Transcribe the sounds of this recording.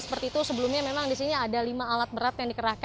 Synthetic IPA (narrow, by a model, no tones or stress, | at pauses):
sə̥pərt̪iːt̪usəbəlumɲamemaŋdisiɲaːdalimaːlat̪̚bəɾat̪jaŋdikəɾahk